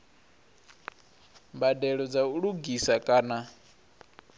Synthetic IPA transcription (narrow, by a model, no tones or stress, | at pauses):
mbadɛɺɔd͡zauɺuɡisakʼaːna